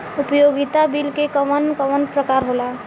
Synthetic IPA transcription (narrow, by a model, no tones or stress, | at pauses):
upjoɡit̪abilkekəmənkəmənpɾəkaɾɦola